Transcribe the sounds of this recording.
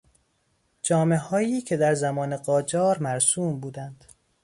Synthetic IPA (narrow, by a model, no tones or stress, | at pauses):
d͡ʒɒːme̞ɦɒːjiːcʰe̞d̪æɾzæmɒːneɢɒːd͡ʒɒːɾmæɾsuːmbuːd̪ænd̪̥